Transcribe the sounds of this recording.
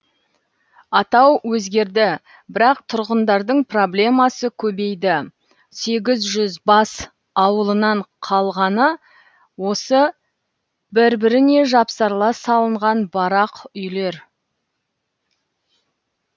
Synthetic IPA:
ɑt̪ɑwwɵzɡʲe̞ɾd̪ɪ | bɪɾɑqt̪ʰʊɾʁənd̪ɑɾd̪əɴpro̞blʲe̞mɑsəkʲʰɵbe̞jd̪ɪ | se̞ɡʲɪzʒʏzbɑs | ɑwəlˠənɑɴqʰɑlˠʁɑnə | wo̞sə | bɪɾbɪɾɪne̞ʒɑpsɑɾlˠɑsɑlˠəɴʁɑnbɑɾɑqʏjle̞ɾ

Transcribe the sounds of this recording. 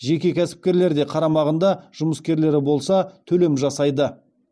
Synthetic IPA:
ʒe̞kʲe̞kʲʰæsɪ̥p̚kʲe̞ɾle̞ɾd̪e̞qʰɑɾɑmɑʁənd̪ɑʒ̥ʊməskʲe̞ɾle̞ɾɪbo̞lˠsɑt̪ʰɵle̞mʒɑsɑjd̪ə

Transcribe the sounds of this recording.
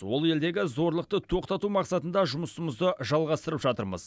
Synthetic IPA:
wo̞lˠe̞ld̪e̞ɡʲɪzo̞ɾlˠəqt̪ət̪ʰo̞qt̪ɑt̪umɑqsɑt̪ənd̪ɑʒʊməsəməzd̪əʒɑlˠʁɑst̪əɾəpʒɑt̪əɾmə̰z

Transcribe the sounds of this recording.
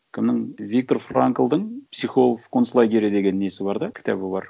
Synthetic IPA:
kʲʰɪmnɪŋvʲik̚t̪o̞rfraŋkəlˠd̪əɴpsiχo̞lˠfkʰo̞nslˠajɡʲeɾʲed̪e̞ɡʲe̞nːe̞sɪbɑɾd̪ɑkʲʰɪ̥t̪ʰæbɪbɑɾ

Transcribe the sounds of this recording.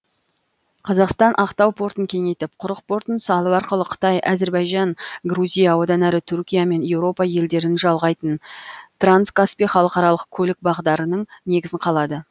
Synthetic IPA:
qʰɑzɑqst̪ɑnʔɑqt̪ɑwpʰo̞ɾt̪əŋkʲʰe̞ŋe̞jt̪ɪp̚qʰʊɾəq̚pʰo̞ɾt̪ənsɑlˠəɑɾqəlˠəqʰə̥t̪ɑjʔɑze̞ɾbɑjʒɑnɡruzʲijawo̞d̪ɑnæɾɪt̪ʰʏɾkʲijame̞nje̞wɾo̞pɑje̞ld̪e̞ɾɪnʒɑlˠʁɑjt̪ənt̪ranskaspijχɑlˠəqɑɾɑlˠəqkʲʰɵlɪk̚bɑʁd̪ɑɾənəɴne̞ɡʲɪzɪɴqʰɑlˠɑd̪ə

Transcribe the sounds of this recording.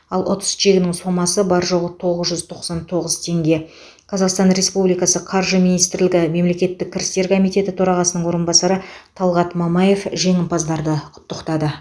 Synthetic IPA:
ɑlˠʔot̪ə̥sʒe̞ɡʲɪnɪŋso̞mɑsəbɑɾʒo̞ʁət̪ʰo̞ʁəzʒʏzt̪ʰo̞qsɑnt̪ʰo̞ʁəzt̪ʰe̞ŋɡʲe̞ | qʰɑzɑqst̪ɑnɾe̞spublijkɑsəqʰɑɾʒəmijnijst̪ɪɾlɪɡʲɪme̞mle̞kʲe̞t̪ːɪk̚ʲʰːɪɾɪst̪e̞ɾkʰo̞mijt̪e̞t̪ɪt̪ʰoɾɑʁɑsənəɴwo̞ɾənbɑsɑɾət̪ʰɑlˠʁɑt̪mɑmɑje̞fʒe̞ŋʲɪnpɑzd̪ɑɾd̪əqʰʊ̥t̪ːəqt̪ɑd̪ə

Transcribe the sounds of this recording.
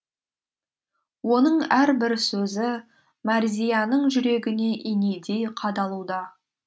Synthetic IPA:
wo̞nəɴæɾbɪɾsɵzɪ | mɑɾzʲijɑnəɴʒʏɾe̞ɡʲɪne̞ʔinejd̪e̞jqʰɑd̪ɑlˠud̪ɑ

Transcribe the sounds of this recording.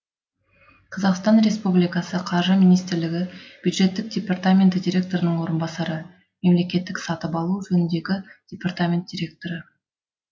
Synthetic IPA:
qʰɑzɑqst̪ɑnɾe̞spublijkɑsəqʰɑɾʒəmʲinijst̪ɪɾlɪɡʲɪb̥jud̪ʒe̞t̪ːɪk̚dʲe̞part̪amʲe̞nt̪dʲiɾʲe̞k̚t̪o̞ɾənəɴwo̞ɾənbɑsɑɾə | me̞mle̞kʲe̞t̪ːɪksɑt̪əpɑlˠuʒɵnɪnd̪e̞ɡʲɪd̥ʲe̞part̪amʲe̞nt̪̚d̥ʲiɾʲe̞k̚t̪o̞ɾə

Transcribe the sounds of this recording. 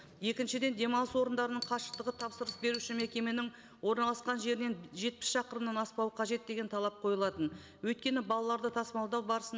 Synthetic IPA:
je̞kʲɪnʃɪd̪e̞nd̪e̞mɑlˠəswo̞ɾənd̪ɑɾənəɴqʰɑʃə̥q̚t̪əʁət̪ʰɑpsəɾəsbe̞ɾuʃɪme̞kʲe̞me̞nɪŋ | wo̞ɾnɑlˠɑsqɑnʒe̞ɾɪne̞nʒe̞t̪̚pɪ̥sʃɑqəɾəmnɑnɑspɑwəqʰɑʒe̞t̪̚d̪e̞ɡʲe̞nt̪ʰɑlˠɑp̚qʰo̞jəlˠɑt̪ən | wɵjt̪kʲe̞nɪbɑlˠɑlˠɑɾd̪ət̪ʰɑsmɑlˠd̪ɑwbɑɾəsən

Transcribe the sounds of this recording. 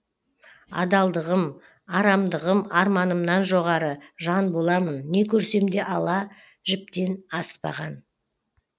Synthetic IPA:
ɑ̰d̪ɑlˠd̪əʁəm | ɑɾɑmd̪əʁəmɑɾmɑnəmnɑnʒo̞ʁɑɾəʒɑnbo̞lˠɑmənːe̞kʲʰɵɾse̞md̪e̞ʔɑlˠɑ | ʒɪp̚t̪e̞nɑspɑ̰ʁɑn

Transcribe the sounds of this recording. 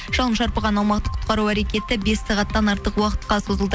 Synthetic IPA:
ʒ̥ɑlˠəmʃɑɾpɑʁɑnɑlˠmɑqt̪ə̥qʰʊ̥t̪̚qɑɾuæɾe̞kʲe̞t̪ɪbe̞sːɑʁɑt̪ːɑnɑɾt̪əqwɑqə̥t̪qɑso̞zəlˠd̪ə

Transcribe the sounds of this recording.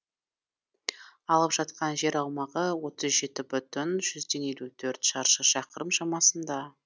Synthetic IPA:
ɑlˠəpʒ̥ɑt̪̚qɑnʒe̞ɾɑwmɑʁəwo̞t̪əzʒe̞t̪ɪbʏt̪ʏnʒʏzd̪e̞nje̞lʲut̪ʰɵɾt̪ʃɑɾʃəʃɑqəɾəmʃɑmɑsənd̪ɑ

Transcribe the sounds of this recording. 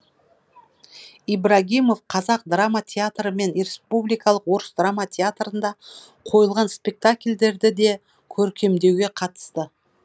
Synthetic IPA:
ijbɾaɣʲimo̞fqʰɑzɑq̚d̪ramat̪ʲʰeat̪rəme̞nʲespublijkɑlˠəqwo̞ɾəsd̪ramat̪ʰʲeat̪rənd̪ɑ | qʰo̞jəlˠʁɑnspʲe̞k̚t̪akʲlʲd̪e̞ɾd̪ɪd̪e̞ | kʲʰɵɾkʲe̞md̪e̞wɡʲe̞qʰɑt̪ə̥st̪ə

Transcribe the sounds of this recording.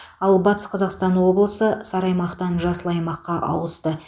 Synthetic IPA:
ɑlˠbɑt̪ə̥sqʰɑzɑqst̪ɑnwo̞blˠəsəsɑɾɑjmɑqt̪ɑnʒɑsəlˠɑjmɑqːɑʔɑ̰wəst̪ə

